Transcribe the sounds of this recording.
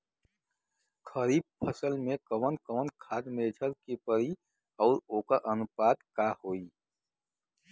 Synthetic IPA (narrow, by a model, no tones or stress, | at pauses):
kʰəɾiːb̚pʰəsəlmẽkəʋənkəʋənkʰaːd̪meːd͡ʒʰʱəɾkepəɾi | ɔːɾoːkəɾʔənʊpaːd̪kahoːiː